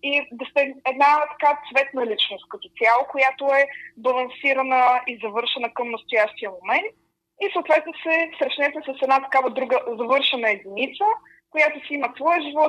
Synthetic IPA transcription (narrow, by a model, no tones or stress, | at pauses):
id̪ɐst̪ɛɛd̪nat̪ɐ̥kat̪svɛt̪nəlit͡ʃnost̪̚kət̪o̥t̪sʲalˠokojat̪oɛbɐlˠɐnsiɾənəizɐvɤɾʃɛnəkəmnəst̪ojaʃt̪ijəmomɛnt̪̚ | isoːt̪vɛt̪nosɛsɾɛʃnɛsɛsəsɛd̪nat̪ɐ̥kavəd̪ɾuɡəzɐvɤɾʃɛnəɛd̪init̪sə | kojat̪osiiməsvɔjəʒivɔt̪